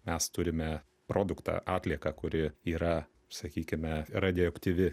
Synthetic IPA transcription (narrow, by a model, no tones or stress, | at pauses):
mʲɛst̪ʊɾʲɪmʲɛ | pɾoːd̪ʊkt̪ɑ̰ːʔɑːt̪ʲlʲiɛkɑkʊɾʲɪiːɾɐ | sɐkʲiːkʲɪmʲɛɾɐd̪ʲɪɛkt̪ʲiːʋʲɪ